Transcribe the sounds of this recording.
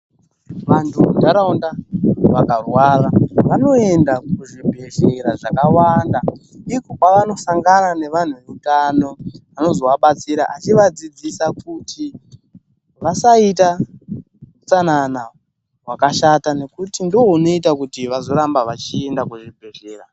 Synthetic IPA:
ʋantʰudaɾaundaʋakarwaːraʋano̞endakuʐibʱe̞ɮeɾaʐakawandaikokwaʋano̞saŋɡanane̞ʋan̤ueutano̞ano̞zo̞waɓat͡siɾaʔat͡ʃiʋad͡zid͡zisakutʰi | ʋasaita | ut͡sanana | ɦwakaʃatane̞kutindiwo̞uno̞itakutiʋazo̞ɾambaʋat͡ʃie̞ndakuʐibʱe̞ɮe̞ːɾa

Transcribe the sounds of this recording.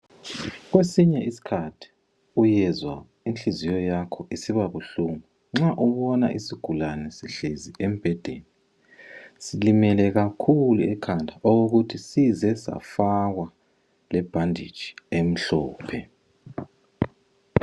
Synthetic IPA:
ɣwesiɲɛʔisi̥kʰatʰi̥ | ujɛzwa | int͡ɬizijɔjakʰɔʔisiβaβuɬuŋu | ŋ͡ǁaʔuβɔna̰ʔisiɡ̥ʱulanɛsiɬeziʔem̩b̥ʱɛd̥ʱeːni | silimɛlɛɣakʰuluɛkʰandʱaoɣoɣutʰisizɛsa̰faɣwa | lɛb̥ʱandʱḭd̥ʒ̥ʱi̥em̩ɬɔːpʰɛ

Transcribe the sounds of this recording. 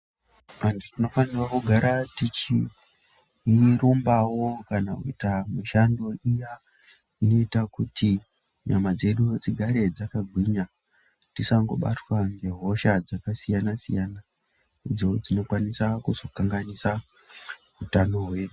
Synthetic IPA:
anditino̞fanirwakuɡʱaɾatit͡ʃi | rombawo̞kanakuitamiʃando̞ija | ino̞itakuti | ɲamad͡ze̞ɗud͡ziɡʱaɾe̞d͡zakaɡʱwiɲa | tisaŋɡo̞ɓa̰twaŋɡe̞ɦo̞ʃad͡zakasijanasḭjana | id͡zo̞d͡zino̞kwanisakuz̥o̞kaŋɡanisa | utano̞ɦwe̞ɗu

